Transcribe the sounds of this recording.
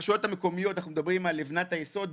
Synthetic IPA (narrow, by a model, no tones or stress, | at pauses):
ʃjo̞t̪ameko̞mijo̞t̪anaχnumed̪abʁimalːevnat̪ajeso̞d̪